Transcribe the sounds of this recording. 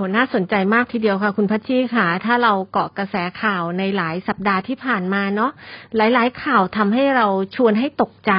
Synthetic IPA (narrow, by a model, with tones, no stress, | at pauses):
u˩˦naː˥˩so˨˩˦nt͡ɕa˧jmaː˥˩k̚t̪ʰiː˧di˧əwkʰa˦˥˩kʰu˧npʰaː˦˥t̪̚t͡ɕʰiː˥˩kʰaː˧˩t̪ʰaː˥˩ɾa˧wkɔ˨˩kɾa˧sɛː˩˦kʰaː˨˩wna˧jlaː˩˦jsa˨˩p̚daː˧t̪ʰiː˥˩pʰaː˨˩nmaː˧nɔ˦˥ʔlaː˨˩˦jlaː˨˩˦jkʰaː˨˩wt̪ʰa˧mɦa˥˩jɾa˧wt͡ɕʰu˧ənɦa˥˩jt̪o˨˩k̚t͡ɕa˧